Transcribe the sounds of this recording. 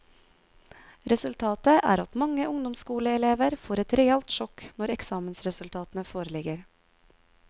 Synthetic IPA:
ɾɛsʉlt̪ʰɑːt̪əʔæ̰ːɾɑt̪mɑŋəʔʊŋd̪ɔmskuːləɛleːʋəɾfoːɾɛt̪ɾɛɛlt̪ʃɔknɔɾɛksɑːmənsɾɛsʉlt̪ʰɑːt̪ənəfoːɾəlɪɡəɾ

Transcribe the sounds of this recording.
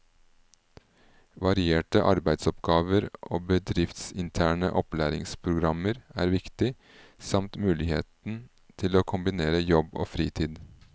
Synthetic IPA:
ʋɑɾɪeːʈəʔɑɾbæɪd̪sɔpɡɑːʋəɾʔo̰ːbəd̪ɾɪft̪sɪnt̪ʰæːɳə̰ʔɔplæːɾɪ̰ŋspʰɾʊɡɾɑməɾæ̰ːɾʋɪkt̪ɪ | sɑmt̪mʉːlɪhḛːt̪n̩ | t̪ʰɪloːkʰʊmbɪneːɾəjɔbo̰ːfɾiːt̪ʰiːd̪

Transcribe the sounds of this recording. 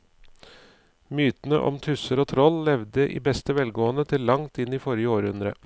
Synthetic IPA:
myːt̪nə̰ʔɔ̰mt̪ʰʉsəɾoːt̪ʰɾɔlːɛʋd̪əʔḭːbɛst̪əʋɛlɡoːənət̪ʰɪlːɑŋt̪ɪniːfɔɾjəoːɾʉnd̪ɾə

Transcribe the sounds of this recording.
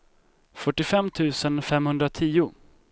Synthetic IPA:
fœʈːɪfɛmːt̪ʰʉ̟ːsənfɛmhɵnd̪ɾat̪ʰiːʊ

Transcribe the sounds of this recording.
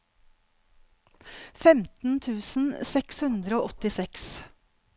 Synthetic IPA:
fɛmt̪n̩t̪ʰʉːsn̩sɛkshʉnd̪ɾəoːʔɔt̪ɪsɛks

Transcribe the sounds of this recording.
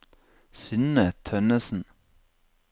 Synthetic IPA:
sʏnət̪ʰœnəsn̩

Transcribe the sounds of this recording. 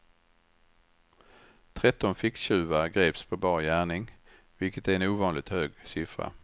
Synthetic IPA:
t̪ʰɾɛt̪ːɔnfɪksɕʉ̟ːvaɡɾeːpspʰɔbɑːɾjæːɳɪŋ | vɪlkət̪æɾɛnuːvɑːnlɪɡ̚t̪høːɡsɪfɾa̰

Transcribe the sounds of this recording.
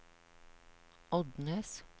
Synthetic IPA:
ʔɔd̪neːs

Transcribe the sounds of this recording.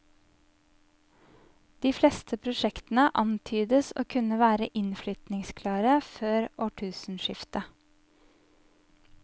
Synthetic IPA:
d̪̥iːflɛst̪ʰəpʰɾʊʃɛkt̪n̩əʔɑnt̪ʰyːd̪əso̰ːkʰʉnəʋæːɾəʔɪnflʏt̪nɪŋskʰlɑːɾəføːɾoːʈʰʉːsn̩ʃɪft̪ə

